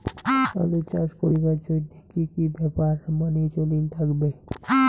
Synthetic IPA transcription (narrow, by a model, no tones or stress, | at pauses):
ta̰lit͡ɕaʃkoɾibaɾd͡ʑonːikikibɛpaɾmanet͡ɕolint̪ʰakbe